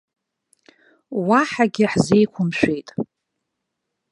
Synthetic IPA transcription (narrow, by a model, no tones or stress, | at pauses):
waħaɡʲɪħzejkʷʰʊmʃʷᶣejtʼ